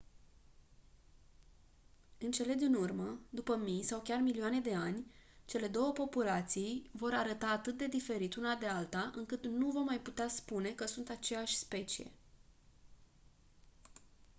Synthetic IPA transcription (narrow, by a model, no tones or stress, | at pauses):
ɨnt͡ʃe̞le̞d̪inurməd̪upəmijsawkʲarmiliane̞d̪e̞anʲt͡ʃe̞le̞d̪o̞wəpo̞pulat̪siijvo̞ɾaɾət̪aːt̪ɨt̪̚d̪e̞d̪ife̞ɾit̪unad̪e̞alt̪aʔɨŋkɨt̪nuvo̞rmːajput̪easpune̞kəsunt̪at͡ʃe̞jaʃʲspe̞t͡ʃie̞̰